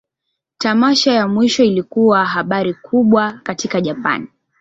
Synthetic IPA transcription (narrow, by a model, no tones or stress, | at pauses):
tamaʃajamwiʃɔilikuwaɦaɓaɾikʰuɓwakatikaʄapa̰n